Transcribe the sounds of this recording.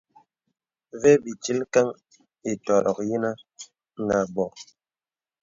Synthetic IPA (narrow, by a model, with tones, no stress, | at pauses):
vɛ˦bi˨t͡ʃi˦lka˦ŋ | e˨tɔ˨ɾɔ̰˨k̚ji˦na˦ | ŋ˨ɡa˨bɔ˨